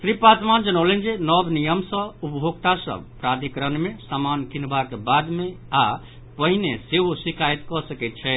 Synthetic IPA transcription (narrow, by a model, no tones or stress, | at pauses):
t̪ɾipat̪mand͡ʒənəwlend͡ʒenɔbnijəmsə̃upbʱoɡ̚t̪asə̰pɾad̪ʱikɾənmesamankinbakebad̪me | a | pəɦineseɦosikajt̪kɔsəkɛt̪̚t͡ʃʰɛ